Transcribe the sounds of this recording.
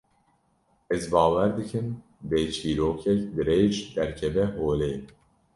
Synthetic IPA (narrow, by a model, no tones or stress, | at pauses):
ɛzbɑːwæɾd̪ɨkʰɨm | bet͡ʃʰiːɾoːkʰɛkd̪ɨɾeːʒd̪ɛɾkʰɛvɛɦoːleː